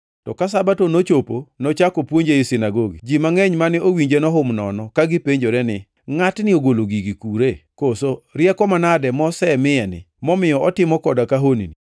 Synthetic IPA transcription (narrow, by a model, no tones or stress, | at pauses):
tɔkas̬abatonot͡ʃoponɔt͡ʃakopwoɲd͡ʒeɪsɪnaɡoɡḭd͡ʒimaŋɛɲmanɪowiɲd͡ʒenɔɦʊmnɔnɔkaɡipeɲd͡ʒoɾɛnɪ | ŋatnɪoɡoloɡiɡikuɾekosoɾjɛkɔmanadɛmɔsɛmɪjɛnɪ̰ | mɔmɪjɔʔɔtɪmɔkɔdakaɦonḭni